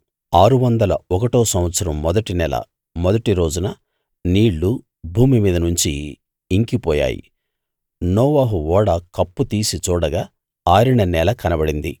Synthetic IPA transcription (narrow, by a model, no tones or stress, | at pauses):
aːɾuʋɐnd̪ɐlɐɔkɐʈoːsɐ̃m̃ʋɐt̪sɐɾɐmːɔd̪ɐʈinɛlɐ̰ | mɔd̪ɐʈiɾo̞ːd͡ʒunɐ | niːɭːu | bʱuːmimiːd̪ɐnuɲt͡ʃiː | ŋkipɔːja̰ːjḭ | nɔːʋaːɦuʋɔːɽɐkɐpːut̪iːsit͡ʃɔːɽɐɡaː | aːɾiɳɐnɛlɐkɐnɐbɐɽind̪ḭ